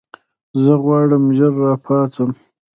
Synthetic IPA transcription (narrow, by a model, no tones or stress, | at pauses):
zəɣwɑːɽəmʒəɾːɑːpʰɑːt͡səm